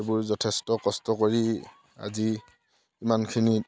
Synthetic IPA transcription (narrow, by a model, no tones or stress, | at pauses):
bʊɹzɔtʰestɔkɔstɔkoɹi | a̰ziː | mankʰini